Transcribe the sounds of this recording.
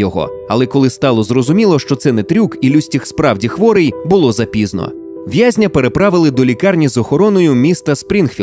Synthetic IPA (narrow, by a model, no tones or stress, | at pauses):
ɔɦɔ̰ | ɐ̰lˠɛkɔlˠɪst̪ɑlˠɔzrɔzʊmʲilˠɔʃt͡ʃɔt̪sɛnɛt̪ɾʲukilʲusʲtʲixspɾɑwdʲixʋɔɾejbʊlˠɔzɐpʲiznɔ̰ | ʋʲjazʲnʲɐpe̞ɾepɾɑʋɪlˠɪd̪ɔlʲikɑrnʲizɔxɔɾɔnɔjʊmʲist̪ɐspɾʲinxʲi